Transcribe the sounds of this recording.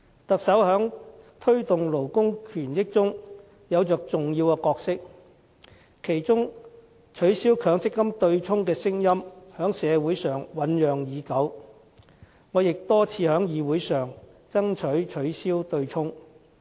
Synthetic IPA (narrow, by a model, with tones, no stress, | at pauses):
t̪ɐ˨k̚sɐ˨˥whœː˨˥ŋt̪ʰɵ˥ɥt̪ʊ˨ŋlo˨˩wkʊ˥ŋkʰyː˨˩njɪ˥k̚t͡sʊ˥ŋ | jɐ˨˧wt͡sœː˨˩k̚t͡sʊ˨ŋjiː˧wkɛː˧kɔː˧k̚sɪ˥k̚ | kʰe˨˩jt͡sʊ˥ŋ | t͡ʃʰɵ˨˥ɥsiː˥wkʰœː˨˥ŋt͡sɪ˥kːɐ˥mt̪ɵ˧ɥt͡sʰʊ˥ŋkɛː˧sɪ˥ŋjɐ˥mhœː˨˥ŋsɛː˨˧wuː˨˥jsœː˨ŋwɐ˨˥njœː˨ŋjiː˨˧kɐ˨˥w | ŋɔː˨˧jɪ˨k̚t̪ɔː˥t͡sʰiː˨˧hœː˨˥ŋjiː˨˧wuː˨˥jsœː˨ŋ | t͡sɐ˥ŋt͡ʃʰɵ˨˥ɥt͡ʃʰɵ˨˥ɥsiː˥wt̪ɵ˧ɥt͡ʃʰʊ˥ŋ